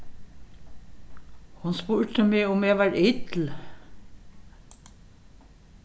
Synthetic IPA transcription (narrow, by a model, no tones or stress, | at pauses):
hʊnspuːɹt̪əmeːʊmɛːʋɑːɹʔɪt̪ʰl̩